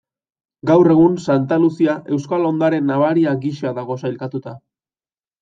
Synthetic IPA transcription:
ɡawre̞ɣ̞unsant̪alusiaʔe̞wskalo̞nd̪aɾe̞nːaβaɾiaɡiʃaðaɣ̞o̞sajlkat̪ut̪a

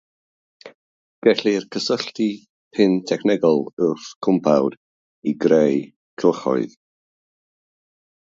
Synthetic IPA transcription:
ɡ̥ɛɬirkʰəsəɬti | pʰɪntʰɛkʰnɛɡɔlˠʊrθkʰʊmpʰawd̥ | iɡrej | kʰɪlˠχɔ̰ɨð

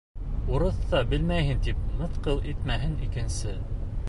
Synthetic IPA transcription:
uɾɤ̆θːɑbɘlmæjhɘnt̪ip̚mɤ̆θqɤlˠʔit̪mæɦɘnikɘ̆nsɘ

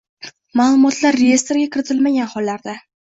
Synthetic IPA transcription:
maːlˠʊmɒt̪ʰlaɾːeje̞st̪ɾɡʲakʲʰɪɾɪt̪ʰɪlmaɡʲanhɒlˠːaɾd̪a

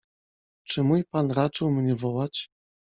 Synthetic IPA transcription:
t͡ʂɘmujpanɾat͡ʂɘwmɲɛvɔwat͡ɕ

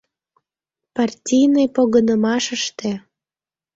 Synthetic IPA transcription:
pɑrtʲijnɨjpoɣənəmɑʃəʃt̪e

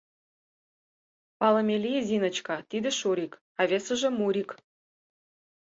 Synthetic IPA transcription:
pɑləmʲelʲijzʲinə̆t͡ɕkɑt̪id̪ɘ̆ʃuɾʲik | ɑβesə̆ʒə̆muɾʲik

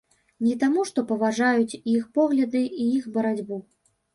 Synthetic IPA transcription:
nʲit̪amuʂt̪ɔpɐvaʐajut͡sʲjixpɔɣlʲɐd̪ɨʔijixbɐɾad͡zʲbu

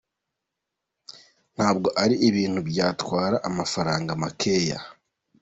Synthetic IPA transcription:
n̥haːb̚ɡo̞ʔaɾiiβiːn̥hubɟaːtwaːɾaʔamafaɾaːŋɡamakʰe̞ːja̰

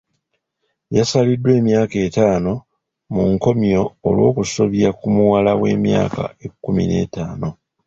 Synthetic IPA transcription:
jasalidːwe̞ːmjaːke̞ːtaːno̞ | muŋko̞mjo̞ːlwo̞ːkuso̞βjakumuwalawe̞ːmja̰ːka̰ekːumḭne̞̰ːtaːno̞

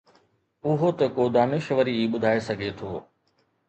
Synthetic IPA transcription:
ʊɦot̪ɐkoːd̪aːnɪʃʋəɾiiːɓʊd̪ʱaːesɐɡʱet̪ʰoː

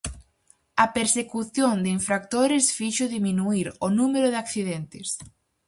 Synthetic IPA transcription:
ɐpeɾsekuθjoŋd̪ɪiɱfɾak̚t̪oɾɪsfiʃʊðimĩnuiɾonumeɾoðɪakθiðent̪ɪs

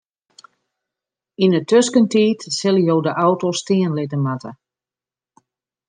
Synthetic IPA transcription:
inətøskəntiːtsɪlˠjoːdəʔawtostiənlɪtəmatə

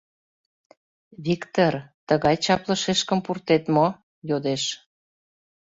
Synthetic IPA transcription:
βikt̪ort̪əɣɑjt͡ɕɑplə̆ʃeʃkə̆mpurt̪et̪mo | jod̪eʃ

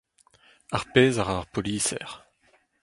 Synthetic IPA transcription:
aʁpezaʁaʁpɔlisɛ̰ːʁ

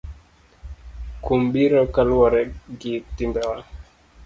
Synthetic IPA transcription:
kumbiɾɔkalwɔɾɛɡitimbɛwa

